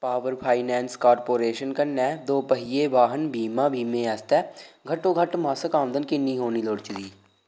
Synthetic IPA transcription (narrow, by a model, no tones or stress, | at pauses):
paːʋəɾpʰaːinɛ̃ːnskaːɾpoːɾeːʃənkənːɛːd̪oːpəɦɪjeːʋaːɦənbʱiːmãːbʱiːmẽɛːst̪ɛːɡʱɐʈoːɡʱəʈmãːsəkãːmd̪ənkɪnːĩːɦoːniːloːɽt͡ʃʊɾiː